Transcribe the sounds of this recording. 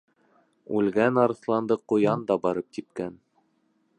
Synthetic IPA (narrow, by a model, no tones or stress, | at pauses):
ʉlɡænɑɾɤ̆θlˠɑnd̪ɤqŏjɑnd̪ɑbɑɾɤp̚t̪ip̚kæn